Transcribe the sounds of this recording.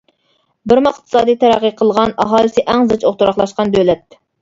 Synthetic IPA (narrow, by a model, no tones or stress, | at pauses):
bɪɾmɑqt̪ʰɨ̥sɑːd̪ijt̪ʰæɾæqːiqʰəlˠʁɑnɑɦɑːlˠɨsɪʔɛŋzɨt͡ʃʰoχt̪ʰuɾɑχlˠɑʃqɑnd̪ølɛt̪̚